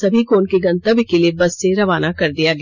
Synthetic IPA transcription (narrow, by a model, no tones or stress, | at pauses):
ɐbʱikoːnkeɡɐ̃nt̪əbikeliebɐsːeɾɐʋaːnakɐɾd̪ijaɡɐ